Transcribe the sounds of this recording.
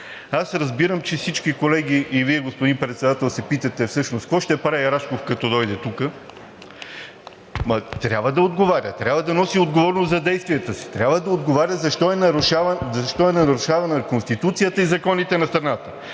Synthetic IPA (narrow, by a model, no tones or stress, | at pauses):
asɾɐzbiɾəmt͡ʃɛsit͡ʃkikolɛɡ̟iʔːviɛɡospoʊd̪inpɾɛt̪sɛd̪at̪ɛlˠsɛpit̪ət̪ɛfsɤʃnost̪kvɔʃt̪ɛpɾaɐɾaʃkofkɐt̪ɔd̪ɔjd̪ɛt̪ukə | mt̪ɾʲjabvəd̪ɐod̪ɡovaɾʲət̪ɾʲabvəd̪ɐnɔsiod̪ɡovɔɾnosɐd̪ɛjst̪viɛt̪əsi̥t̪ɾʲabvəd̪ɐod̪ɡovaɾʲəzɐʃt̪ɔɛnɐɾuʃavzɐʃt̪ɔɛnɐɾuʃavɐnəkonst̪it̪ut̪sijət̪əizɐkɔnit̪ɛnɐst̪ɾɐnat̪ə